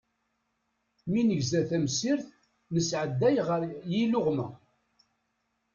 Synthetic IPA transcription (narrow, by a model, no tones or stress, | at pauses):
minəʝzæθæmsiɾθ | nəsʕəd̪ːæjʁəɾjilʊʁmæ